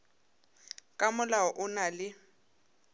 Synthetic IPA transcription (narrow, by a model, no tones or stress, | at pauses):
kʼamʊlaɔʔʊnalɪ